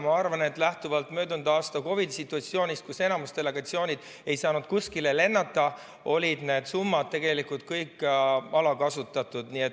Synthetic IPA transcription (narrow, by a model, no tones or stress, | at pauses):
mɑɑrvɑne̞t̪ːˑlæht̪uvɑlt̪mø̞ːd̪und̪ɑɑːst̪ɑko̞vid̪isit̪ːˑuɑt̪sio̞ːnʲist̪kuse̞nɑmust̪e̞le̞ɡ̥ɑt̪sio̞ːnʲid̪̥ | e̞jsɑːnud̪̚kuskilele̞nːɑt̪ːˑɑ | o̞lʲid̪̥ne̞ːd̪sumːɑd̪̚t̪e̞ɡe̞likult̪̚kɤjkːɑlɑkɑsut̪ːˑɑt̪ːˑud̪̥niet̪